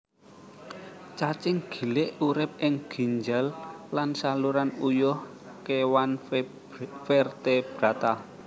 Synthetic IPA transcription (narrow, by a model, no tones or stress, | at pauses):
t͡ʃat͡ʃɪŋɡ̥i̤lɪʔuɾɪp̚ɪŋɡ̥i̤ɲd͡ʒallansaluɾanujʊh | kewan | fɛrt̪eb̥ɾat̪a